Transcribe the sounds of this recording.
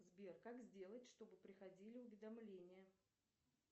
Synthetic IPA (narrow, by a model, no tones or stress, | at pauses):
zbʲe̞rkakzʲdʲe̞lˠətʲʂt̪o̞bɨpɾʲɪxɐdʲilʲɪʊvʲɪd̪ɐmlʲenʲɪjə